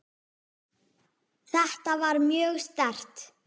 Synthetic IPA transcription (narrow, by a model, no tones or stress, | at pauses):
θɛht̪avaɾmjœːɣst̪ɛr̥t̪